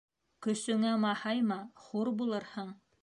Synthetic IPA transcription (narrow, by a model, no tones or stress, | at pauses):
kɵ̆sɵ̆ŋæmɑhɑjmɑχuɾbulˠɤɾhɤɴ